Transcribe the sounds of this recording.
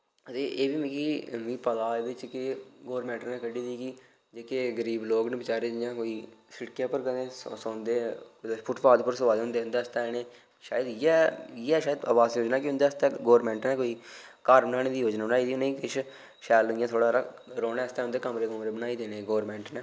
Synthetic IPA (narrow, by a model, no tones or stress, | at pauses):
ət̪eːʔeːbiːmĩːkimĩːpəd̪aːed̪ɪt͡ʃkɪɡoːɾmɛ̃ːɳʈnɛ̃ːkəɖiːd̪iːki | d͡ʒeːkeɡəɾiːbloːknəbɪt͡ʃaːɾeːd͡ʒjãːkoːiːsɪɽkjãːpəɾkəd̪ẽːssõːnd̪eːpʰʊʈʰpaːd̪pəɾsəʋaːd̪eːɦʊnd̪eːʊ̃nd̪eːəst̪ɛ̃ːneː | ʃaːjəd̪ɛːɛːʃaːəd̪ə̰ːbaːziːoːd͡ʒnaːkɪʊ̃nd̪eːəst̪ɛ̃ːɡoːɾmɛ̃ːɳʈnɛːkoːiːkaːɾbənaːɽẽːd̪iːɦoːd͡ʒnaːbənaːid̪iːneĩkɪʃ | ʃɛːlijãːt̪ʰoːɽaːɾaː | ɾoːnɛ̃ːəst̪ɛ̃ːʊnd̪eːkəmɾeːkəmɾeːbənaːiːd̪eːneːɡoːɾmɛ̃ːɳʈnɛː